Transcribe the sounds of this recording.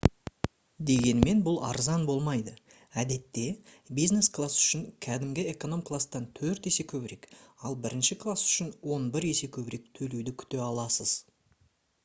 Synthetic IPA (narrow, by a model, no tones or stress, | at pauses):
d̪e̞ɡʲe̞nme̞nbʊlˠɑ̰ɾzɑnbo̞lˠmɑjd̪ə | æd̪e̞t̪ːe̞ | bijzne̞sklˠasʏ̥ʃɪŋkʲʰæd̪ɪmɡʲɪeko̞no̞mkʰlˠast̪ɑnt̪ʰɵɾt̪e̞se̞kʲʰɵβɪɾe̞kɑlˠbɪɾɪnʃɪkʰlˠasʏ̥ʃɪnwo̞nbɪɾe̞se̞kʲʰɵbɪɾe̞k̚t̪ʰɵlewd̪ɪkʲʰʏ̥t̪e̞ɑlˠɑsəz̥